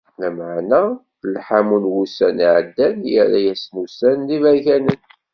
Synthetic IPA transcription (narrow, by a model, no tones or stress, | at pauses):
læməʕnæ | lħamunwusæniʕəd̪ːænjə̰ɾæjæsnusænðivæçænən